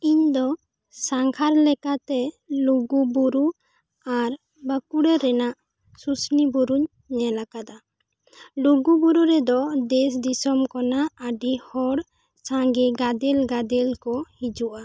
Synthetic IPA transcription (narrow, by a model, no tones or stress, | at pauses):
iɲd̪ɔ | saŋkʰaɾlɛkat̪ɛ | luɡubuɾu | aɾ | bəkuɽɛɾɛnaʔ | susnibuɾuɲː | ɛlakad̪a | luɡubuɾuɾɛd̪ɔd̪ɛsd̪isɔmkɔnaəɖihɔɽ | t͡ʃãŋɡiɡad̪ɛlɡad̪ɛlkɔhid͡ʒuʔa